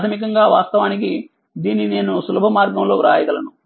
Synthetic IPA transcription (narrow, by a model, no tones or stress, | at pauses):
t̪ʰɐmik̬ɐŋɡaːʋa̰ːst̪ɐʋaːniki | d̪iːnːine̞ːnusulɐbʱɐmaːɾɡɐmlo̞ːɾaːjɐkɐlɐnu